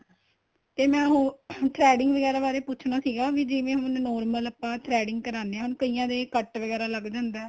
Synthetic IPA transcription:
t̪eːmɛ̃ːɦʊ̃t̪ʰɾɛːɖɪŋɡʋəɡɛːɾaːbaːɾeːpʊːt͡ʃʰɳaːsiːɡaːʋiːd͡ʒɪʋẽːɦʊnnɔːɾmələpːãːt̪ʰɾɛːɖɪŋɡ̚kəɾaːnd̪eːãɦʊnkəiːãːd̪eːkəʈʋəɡɛːɾaːləɡd͡ʒãːnd̪aː

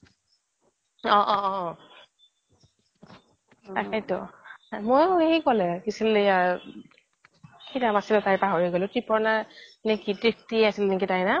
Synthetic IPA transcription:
ɔ̃ʔɔ̃ | akajtɔmojeikɔlɛkisileja | kʰitamasilɔtajpaɦɔɹiɡɔlɛtɹipʰɔɹnanekitɹik̚tiasilnek̬itajna

